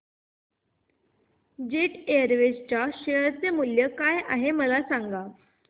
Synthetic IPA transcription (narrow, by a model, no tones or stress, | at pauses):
d͡ʑeʈeəɾʋed͡ʑt͡ɕaɕeəɾt͡semuljəkajaɦeməlasaŋɡa